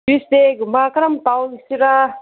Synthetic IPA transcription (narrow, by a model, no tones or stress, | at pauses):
ist̪eɡumakɾɐmt̪awisiɾa